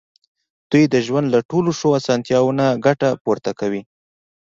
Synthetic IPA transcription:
d̪̥ujd̪əʒwand̪laʈoloʂoasɑnt̪jɑwonaɡaʈapoɾt̪akawi

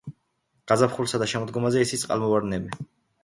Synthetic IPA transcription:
ɡ̥azapχulˠsad̪aʃɛmɔd̪ɡɔmazɛisʰit̪sʼqʼa̰lˠmɔvaɾnɛbi

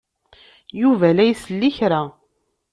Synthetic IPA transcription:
juvælæjsəlːiçɾa

